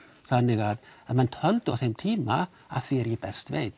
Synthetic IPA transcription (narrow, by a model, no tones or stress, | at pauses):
sanɪɡadəmantʰɔlˠd̥ɔθemtʰiːma | a̰θɪːɾibɛstʰvejd̥